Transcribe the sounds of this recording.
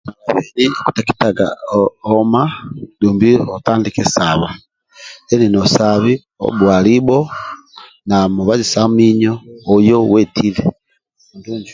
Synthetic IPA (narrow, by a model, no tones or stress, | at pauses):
maβaβeniku̥taki̥taɡa̰omaduːmbiotaːndikesaβa | leninosaβi | o̰βwaːliβo | namuβazisamiɲoːjowetʰile | unduːɲd͡ʒi